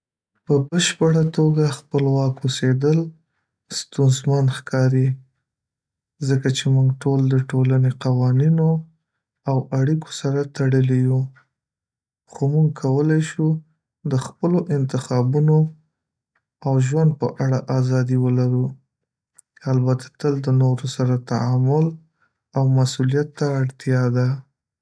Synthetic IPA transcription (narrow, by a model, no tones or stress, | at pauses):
pəbəʃpəɽat̪oɡaxpəlwɑkwosed̪əl | st̪unzmanxkʰɑɾi | zəkat͡ʃemuŋɡʈold̪əʈolaneqawɑnino | awaɽiko̥saɾat̪aɽəliju | xomuŋɡkʰawəlajʃu | d̪əxpəloʔɪnt̪ɪxɑbuno | awʒwand̪̚pəʔaɽaʔazɑd̪iwəlaɾu | albat̪ʰḁt̪əld̪ənoɾosaɾat̪aamʊl | awmasulijat̪ːaːɽt̪jɑd̪a